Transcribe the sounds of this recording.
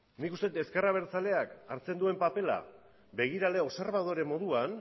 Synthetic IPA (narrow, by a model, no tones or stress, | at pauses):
nikust̪et̪eskeraβ̞e̞ɾt͡sale̞akaɾt͡se̞nd̪ue̞mpape̞la̰ | be̞ɣ̞iɾale̞o̞seɾβaðo̞ɾe̞mo̞ðuan